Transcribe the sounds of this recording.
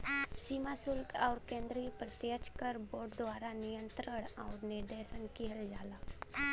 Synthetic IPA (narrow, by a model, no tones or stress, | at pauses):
simasʊlkaʊɾkẽːnd̪ɾipɾət̪jət͡ʃkəɾboːɾɖd̪ʋaːɾanɪjə̃nt̪ɾəɳ̃aːɾnɪɾd̪eːsənkiɦəld͡ʒaːlaː